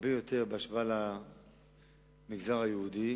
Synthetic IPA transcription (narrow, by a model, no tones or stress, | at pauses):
bejot̪ʰeʁbeaʃvala | miɡzaʁajeud̪i